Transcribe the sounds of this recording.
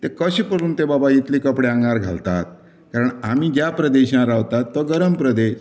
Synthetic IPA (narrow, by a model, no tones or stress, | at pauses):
t̪ekəɕipəɾuːnt̪ebabait̪liːkəpɽeãŋɡɳaɾɡʱa̰lt̪at̪̚ | kaɾəɳamiːd͡ʑjapɾəd̪eɕãɾaʋt̪at̪ːɔɡəɾəmpɾəd̪eɕ